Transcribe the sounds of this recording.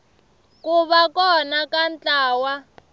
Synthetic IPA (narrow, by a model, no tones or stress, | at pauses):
kuβakɔnakant͡ɬaːwa